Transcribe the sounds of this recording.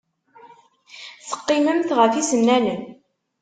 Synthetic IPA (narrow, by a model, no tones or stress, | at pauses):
θə̥qːɪməmθʁəθisənːænən